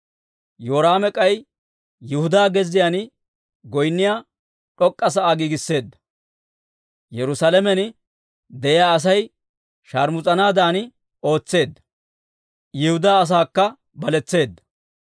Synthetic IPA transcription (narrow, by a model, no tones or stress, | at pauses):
joːɾaːmɛkʼɐj | jɪhʊd̪aːɡɛzːɪjaːn | ɡɔjnːɪjaː | ᶑɔkʼːɐs̬ɐaːɡiːɡɪsːe̞ːd̪ːɐ̥ | jɛɾʊsaːlɛmɛn | d̪ɛjaːɐs̬ɐj | ʃaːɾmʊt͡sʼɐnaːd̪aːn | o̞ːt͡sːe̞ːd̪ːɐ̥ | jɪhʊd̪aːɐs̬aːkːɐ | bɐlɛt͡sːe̞ːd̪ːɐ̥